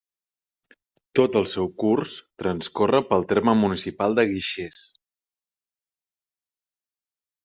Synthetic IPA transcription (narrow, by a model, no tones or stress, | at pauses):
t̪ot̪əlˠsɛwkurst̪ɾənskorəpəlˠt̪erməmunisipalˠd̪əɣiʃes